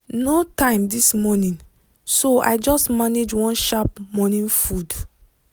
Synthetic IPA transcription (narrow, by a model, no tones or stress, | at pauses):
notãɪ̃mdismɔnĩn | soa̰ɪd͡ʒɔstmaned͡ʒwɔ̃nʃap̚mɔnĩnfud